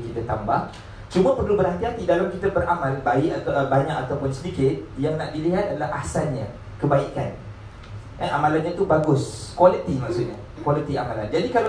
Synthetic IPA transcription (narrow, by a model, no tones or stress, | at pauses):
kit̪at̪ambah | t͡ʃumə̃pərlubəɾant̪iat̪idalamkit̪abəɾʔamãlbaɪʔabaɲak̚at̪awpʊnsədikɪt̪̚jaŋnaʔdiliɦat̪̚alahʔahsanɲã | kəbaikan | ʔəamalanɲãt̪ubaɡʊskwalət̪imaʔsʊʔ̪̚ɲa | kwalit̪iamaland͡ʒadikala